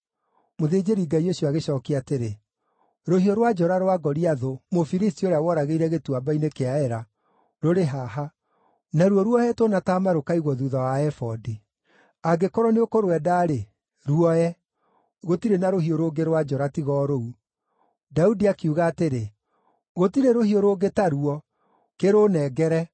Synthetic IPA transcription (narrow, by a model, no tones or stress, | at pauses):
moðeːd͡ʒeɾiɡaioɕoaɣeɕɔːkiateɾe | ɾohioɾwad͡ʒɔɾaɾwaɡɔɾiaðomofiɾistioɾeawɔɾaɣeiɾɛɣetuabainekeaɛɾa | ɾoɾeɦaɦa | naɾuɔɾwɔɛtonataːmaɾokaiɣɔðuðawaɛfɔdi | aɡekɔɾɔneokoɾwɛdaːɾe | ɾuɔɛ | ɣotiɾenaɾohioɾoːɡeɾwad͡ʒɔɾatiɣɔːɾou | daudiakiuɣaːteɾe | ɣotiɾeɾohioɾoːɡetaɾuɔ | keɾonɛɡɛɾɛ